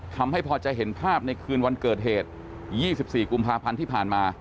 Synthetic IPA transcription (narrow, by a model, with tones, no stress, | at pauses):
t̪ʰa˧mha˥˩jpʰɔː˧t͡ɕa˨˩ɦe˩˦npʰaː˥˩p̚na˧jkʰɯː˧nwa˧nkɤː˨˩t̪̚ɦeː˨˩t̪̚ | jiː˥˩si˨˩p̚siː˨˩ku˧mpʰaː˧pʰa˧nt̪ʰiː˥˩pʰaː˨˩nmaː˧